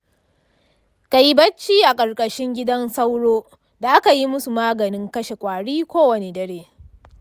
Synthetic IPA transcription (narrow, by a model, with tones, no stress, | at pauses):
ka˨ji˦bɐ˦t͡ʃːiː˦ʔa˨kʼɐ˨rkʼɐ˨ʃɪ˦ŋɡʲɪ˦dɐ˦nsa˦wɽoː˦ | da˨ʔa˦ka˨ji˦mʊ˦su˨maː˦ɡɐ˨nɪ˦ŋkɐ˦ʃe˨kʷʼaː˨ɽiː˦kʷoː˦wɐ˨ne˨dɐ˦ɽeː˦